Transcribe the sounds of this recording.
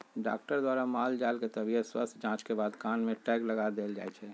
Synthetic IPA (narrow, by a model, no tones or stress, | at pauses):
ɖa̰ːkʈəɾd̪waːɾamaːld͡ʒaːlket̪əbiət̪swəst̪ʰd͡ʒãːt͡ʃkebaːd̪kaːnmẽʈɛːkləɡad̪eːld͡ʒa̰ːɛt͡ʃʰɛ